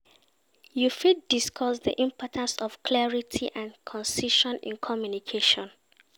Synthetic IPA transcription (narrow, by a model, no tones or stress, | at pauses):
jufit̚diskʰɔsðḭʔĩmpʰɔtʰãnsɔfklɛɹitʰiʔãnkʰɔ̃nsiʃɔ̃nḭ̃nkʰɔmjunikʰeʃɔ̃n